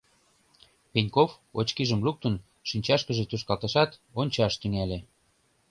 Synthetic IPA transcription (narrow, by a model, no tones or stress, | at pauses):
penʲkofot͡ɕkiʒəmluk̚t̪ə̆n | ʃinʲt͡ɕɑʃkəʒĕt̪uʃ̬kɑlt̪ɑʃɑt̪onʲt͡ɕɑʃt̪yŋælʲe